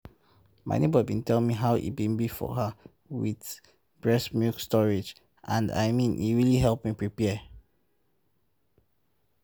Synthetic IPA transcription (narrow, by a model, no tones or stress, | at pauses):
ma̰ɪ̰nebɔibĩntɛlmiɦaʊḭbĩnbifɔ̰ɦə | wið | b̥ɹɛsmukstɔɹid͡ʒ | ʔãnda̰ɪmĩnḭɹiliɦɛlˠpmipɹipɛ